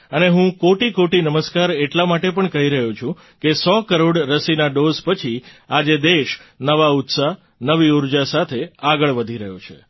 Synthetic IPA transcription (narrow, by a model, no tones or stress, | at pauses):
əneɦũkoʈikoʈinəməskaɾeʈlamaʈepəɳkəɦiɾəɦũt͡ʃʰũ | kesɔkəɾoɽɾəsinaɖozpət͡ʃʰiad͡ʒed̪eʃnəʋaʊt̪sa | nəʋiuɾd͡ʒasat̪ʰeaɡəɭʋəd̪ʱiɾəɦjot͡ʃʰḛ